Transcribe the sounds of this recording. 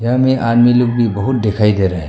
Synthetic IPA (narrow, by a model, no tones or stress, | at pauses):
jãmẽʔanmiloɡ̚bʱibəɦut̪̚d̪ekʰaid̪eɾaɦɛ